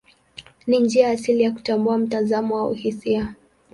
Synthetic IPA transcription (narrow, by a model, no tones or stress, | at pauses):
nind͡ʒiajaːsilijaku̥tambuam̩tazamɔwaṵhisia